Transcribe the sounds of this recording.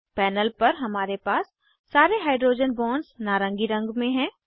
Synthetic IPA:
pɛːnəlpɐɾɦɐmaːɾepaːsː | aːɾeɦaːɪɖɾoːd͡ʒənbɔːnɖsnaːɾə̃ŋɡiɾɐ̃ŋɡmẽɦɛ̃ː

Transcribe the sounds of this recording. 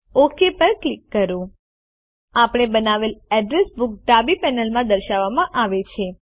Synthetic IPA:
okʰepəɾklikːəɾũ | apɽ̃ebənaʋelɛɖɾesbuk̚ʈabipɛnəlmãd̪əɾʃaʋːamãʔaʋet͡ʃʰe

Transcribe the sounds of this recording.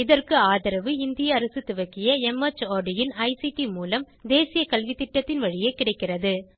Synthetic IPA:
ɪðɐrkɯaːðɐɾɐʋɯɪnd̪ɪjɐːɾɐsɯt̪ːʊʋɐkːɪjɐɛmɐt͡ʃːaːɖɪjɪnɐɪsiʈimuːlɐm | d̪eːsɪjɐkɐlʋit̪ːɪʈːɐt̪ːɪnʋɐɻɪjeːkɪɽɐɪkːɪrɐðɯ

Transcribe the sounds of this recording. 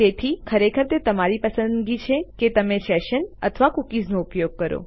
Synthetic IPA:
t̪et̪ʰikʰəɾekʰəɾt̪et̪əmaɾipəsənɡit͡ʃʰeket̪əmẽʃɛʃənə̰t̪ʰəʋakukiznoupjoɡ̚kəɾo̰

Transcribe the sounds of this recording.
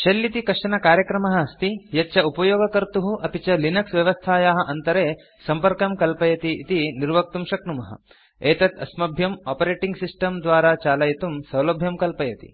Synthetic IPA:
ʃɐlːit̪ikɐʂɐnɐkaːɾjɐkɾɐmɐɦɐɐst̪ijɐtːʃʰɐupɐjoːɡɐkɐɾt̪uɦuʔɐpit͡ʃɐlinɐksʋjɐʋɐst̪ʰaːjaːɦɐ̆ʔɐnt̪ɐɾeː | sɐmpɐɾkɐmkɐlpɐjɐt̪iʔit̪iniɾʋɐk̚t̪umʃɐkɳumɐɦɐ̰ | eːt̪ɐt̪ʰɐ̰smɐbʱjɐmaːpɐɾeːʈiŋɡsisʈɐmd̪ʋaːɾaːt͡ʃaːlɐjɐt̪umsɐwlɐbʱjɐmkɐlpɐjɐt̪ḭ

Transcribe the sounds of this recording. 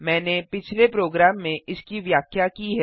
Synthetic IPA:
mɛ̃ːnepɪt͡ʃʰlepɾoːɡɾaːmːẽʔɪskiʋjaːkʰjakiɦɛ

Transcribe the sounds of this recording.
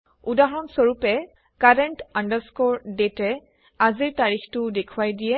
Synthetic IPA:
udaɦɔnsoɹupɛ | kaɹɛntandəɹskɔɹdetɛ | aziɹtaɹixtʊdekʰuwajdijɛ

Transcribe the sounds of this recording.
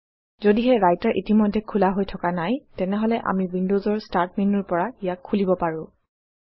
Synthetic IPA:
zodiɦɛɹajtaɹʔitimɔjdʱɛkʰulaɦojtʰɔkanajtɛnɛɦɔlɛʔa̰miwindozɔɹstaɹt̚minɔɹpɔɹaijakʰːulibɔpaɹʊ̃

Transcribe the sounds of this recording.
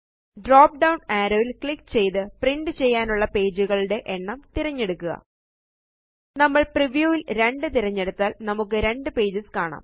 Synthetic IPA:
ɖroːp̚ɖɐwɳaːɾoːʋilkɭikːt͡ɕe̞jt̪ɨpriɳɖɨt͡ɕe̞jːaːnuɭːɐpe̞ːd͡ʑuɣɐɭɽe̞ʔeɳːɐmt̪iɾɐɲːe̞ɽukːuɣɐ̰ | nɐmːɐɭpriʋjuːʋilɾe̞ɳɖɨt̪iɾɐɲːe̞ɽut̪ːaːlnɐmukːɨɾe̞ɳɖɨpe̞ːd͡ʑiskaːɳa̰ːm

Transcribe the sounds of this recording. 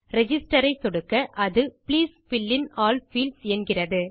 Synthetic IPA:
ɾɛd͡ʒɪsʈɐɾɐɪt̪ːɔɽɯkːɐʔɐðɯpliːsfɪlːɪnaːlfiːlsɛnɡɪrɐðɯ

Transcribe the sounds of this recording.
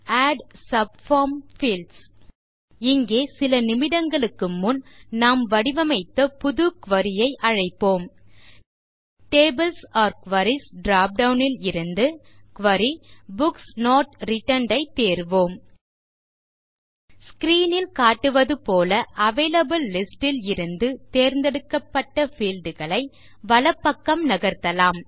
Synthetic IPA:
aːɖsɐbfaːmfiːls | ɪŋɡeːsɪlɐnɪmɪðɐŋɡɐɭɯkːɯmːʊnnaːmʋɐɽɪʋɐmɐɪt̪ːɐpʊðʊkʋɐɾɪjɐɪʔɐɻɐɪpːoːm | ʈeːbɪlsɐːɾkʋɐɾisɖɾaːp̚ɖɐʊnɪlɪɾɯnd̪ɯkʋɐɾibʊksnoːʈɾɪʈɐɳɖɐɪt̪ːeːɾʋoːm | skɾiːnɪlkaːʈːɯʋɐðɯpoːlɐʔɐʋeːlɐbɯlːɪsʈɪlɪɾɯnd̪ɯt̪eːɾnd̪ɛɽɯkːɐpːɐʈːɐfiːlɖɯɣɐɭɐɪ | ʋɐlɐpːɐkːɐmnɐɣɐɾt̪ɐlaːm

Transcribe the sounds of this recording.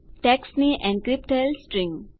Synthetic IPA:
ʈɛksniʔɛ̃nɖkɾip̚ʈəlsʈɾĩŋ

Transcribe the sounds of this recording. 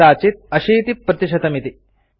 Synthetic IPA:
aːt͡ʃit̪̚ɐʃiːt̪ipːɾɐt̪iʃɐt̪ɐmit̪i

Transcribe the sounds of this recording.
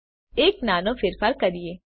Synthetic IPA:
eːknaːnõfɪɾfʰəɾkɐɾieː

